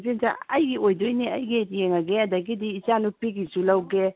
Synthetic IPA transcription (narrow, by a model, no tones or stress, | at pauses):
pinza̰ɐjɡiojdojniɐjɡitjeŋɐɡeɐdɐɡidiːt͡ʃanupiɡisulɐwɡe